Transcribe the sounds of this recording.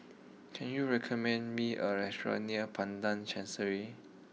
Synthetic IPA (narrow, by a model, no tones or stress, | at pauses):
kʰɛ̃njuɹɛkʰɔmɛ̃ndmiʔəɹɛstɹə̰niəpʰãndãnt͡ʃʰɛ̃nsəɹi